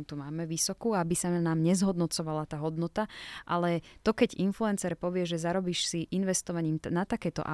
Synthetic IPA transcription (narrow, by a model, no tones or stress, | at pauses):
t̪umaːmɛʋisɔkuːabisanaːmɲɛzɦɔd̪nɔt͡sɔʋalat̪aːɦɔd̪nɔt̪aʔalɛt̪ɔkɛɟinfluɛnt͡sɛɾpɔʋɪɛʒɛzaɾɔbiːʃsiʔinʋɛst̪ɔʋaɲiːmnat̪akɛːt̪ɔ̰ʔa̰